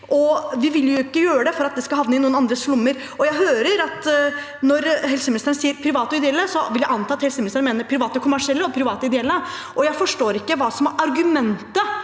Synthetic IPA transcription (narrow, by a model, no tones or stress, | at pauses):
ʔɔʋɪʋɪljʊɪkːəjøːɾəd̪ɛfɔɾɑt̪̚d̪ɛskɑhɑʋnəɪnuːənɑnd̪ɾəslʊmːəɾ | ɔjæɪɦøːɾəɾɑt̪ | nɔɾɦɛlsəmɪnɪst̪ɾənsiːəɾpʰɾɪʋɑːt̪əɪd̪ɛɛlːəsɔʋɪljæɪɑnt̪ʰɑːɑt̪hɛlsəmɪnɪst̪ɾnmeːnəɾpʰɾɪʋɑːt̪əkʰʊmːæʂɪɛlːəɔpʰɾɪʋɑːt̪əɪd̪ɛɛlːə | ʔɔjæɪfɔʂʈoːɾɪkːəʋɑːsɔmæɾʔɑɾɡʉmɛnt̪ə